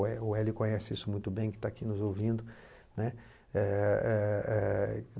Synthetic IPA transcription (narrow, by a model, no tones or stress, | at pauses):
ɛʊɛlɪkõɲɛsɪisʊmũj̃t̪ʊbẽj̃kɪ̥t̪aːkinʊzowvĩnd̪ʊ | nɛ | ɛɛɛ